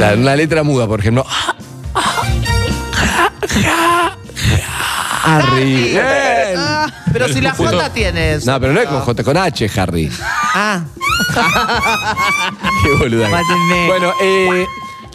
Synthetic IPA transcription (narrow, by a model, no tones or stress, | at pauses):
aunalet̪ɾamuðapoɾexemploa | xa | arieea | peɾosilaxot̪at̪jenesnopeɾonoekoxot̪akonat͡ʃexarḭa | teβoluðaambwenoʔe